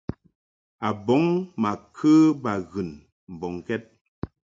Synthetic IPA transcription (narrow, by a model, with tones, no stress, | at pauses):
a˨bɔ˨˦ŋma˨kʰɨ˦ba˨ɣɨ˨n | m̩˨bɔ˨ŋ˨kɛ˦t̚